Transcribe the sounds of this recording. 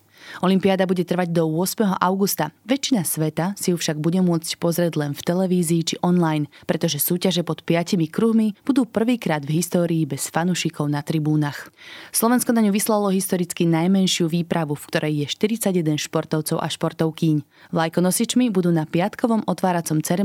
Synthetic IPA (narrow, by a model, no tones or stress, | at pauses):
ɔlimpiad̪abuɟɛt̪r̩ʋaɟd̪ɔʊɔsmɛɦɔʔaʊɡust̪aʋɛt͡ʃinasʋɛt̪asijufʃaɡbuɟɛmʊɔt͡scpɔzɾɪɛɟlɛnft̪ɛlɛʋiːziːt͡ʃiʔɔnlajnpɾɛt̪ɔʒɛsuːcaʒɛpɔt̪pɪacimikɾuɦmib̥ud̪uːpr̩ʋiːkɾaːd̪vɦist̪ɔːɾiːbɛsfanuʃikʰɔʊnat̪ɾibuːnaxslˠɔʋɛnskɔnaɲuʋislalɔɦist̪ɔɾit͡skinajmɛnʃɪuʋiːpɾaʋufkt̪ɔɾʔɛjːɛʃt̪iɾit͡saɟɛd̪ɛnʃpɔɾt̪ɔʊt͡sɔʊʔa̰ʃpɔɾt̪ɔʊkiɲ | lajkɔnɔsit͡ʃmibud̪uːnapɪat̪kɔʋɔmʔɔt̪ʋaːɾat͡sɔmt͡sɛɾɛ